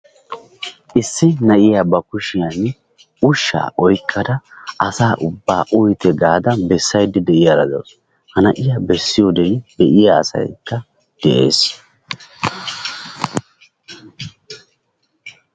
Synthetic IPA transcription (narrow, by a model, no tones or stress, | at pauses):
ʔɪsːɪnɐʔɪjaːbɐkʊʃɪjan | ʊʃːa̰ːʔɔjkʰʼːɐd̪ɐʔɐsaːʔʊbːa̰ːʔʊjt̪ɛɡaːd̪ɐbɛsːɐjd̪ːɪd̪ɛʔɪjaɾɐd̪o̰ws | hɐnɐʔɪjaːbɛsːɪjoːd̪ɛjb̪ɛʔɪja̰ːsɐ̰jkːɐ | d̪̥ɛʔḛːs